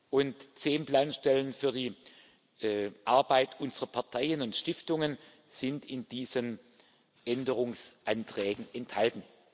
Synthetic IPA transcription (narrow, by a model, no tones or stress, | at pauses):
ʔʊntt͡seːnplaːnʃtɛlənfyːɐdiː | ʔaɐbaɪtʰʔʊnzəʁɐpʰaɐtʰaɪənʊntʃtɪftʊŋən | z̥ɪntɪndiːzən | ʔɛndəʁ̞ʊŋsʔantʁ̥ɛːɡŋ̩ɛnthaltn̩